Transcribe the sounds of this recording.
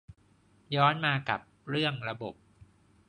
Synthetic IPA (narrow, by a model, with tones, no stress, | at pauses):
jɔː˦˥nmaː˧ka˨˩p̚ɾɯ˥˩əŋɾa˧bo˨˩p̚